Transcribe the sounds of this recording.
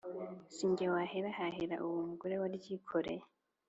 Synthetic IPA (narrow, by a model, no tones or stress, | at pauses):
siːɲɟewaheɾahaheɾa̰ʔuwumuɡoɾewaɾɟikʰoɾḛ